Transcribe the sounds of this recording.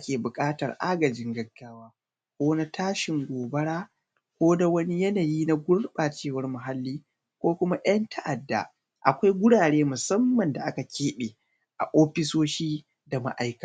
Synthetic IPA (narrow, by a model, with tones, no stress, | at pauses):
ʔa˦kʲeː˨bʊ˨kʼaː˦tɐ̰˨rʔa̰˦ɡɐ˨d͡ʒɪ˦ŋɡɐ˨˦ɡːaː˦waː˦ | kʷoː˦na˦tʰaː˦ʃɪ˨ŋɡʷoː˨bɐ˦ɽaː˦ | kʷoː˦da˦wɐ˦ni˦jɐ˦naː˨jiː˦na˦ɡʷʊ˦ɽɓaː˨t͡ʃeː˦wɐ˦rmʊ˨ɦa˦lːiː˦ | kʷoː˦kʷʊ˦ma˦ʔɐ˦ntʰa˦ʔa˨dːa̰˨ | ʔa̰˨kʷa˦jɡʷʊ˦ɽaː˨ɽeː˦mʊ˨sɐ˦mːɐ˨nda˨ʔa˦ka˨kʲeː˦ɓe˨ | ʔa̰˨ʔoː˦ɸɪ˦soː˦ʃiː˦ | da˨ma̰˦ʔa˦jka˨